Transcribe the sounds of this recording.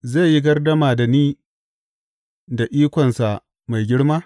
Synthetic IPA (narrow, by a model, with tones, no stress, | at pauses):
za˦˨ji˦ɡɐ˦rdɐ˦maː˨da˨niː˦ | da˨ʔiː˦kʷɔ˨nsa˨ʔ | ma˨jɡʲɪ˦ɽmaː˦